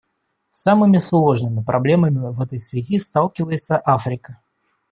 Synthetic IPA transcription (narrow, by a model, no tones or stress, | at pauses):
samɨmʲɪslˠo̞ʐnɨmʲɪpɾʔɐblʲe̞məmʲɪvɛt̪əjsvʲɪzʲist̪alˠkʲɪvəjɪt̪səʔafɾʲɪkə